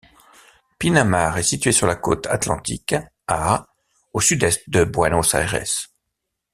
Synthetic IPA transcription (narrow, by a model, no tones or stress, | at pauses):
pinamaʁɛsit̪ɥesyʁlako̰t̪ʰat̪lɑ̰̃t̪ḭk | a | osyd̪ɛst̪̚d̪əbwanosa̰ɛʁɛ̰s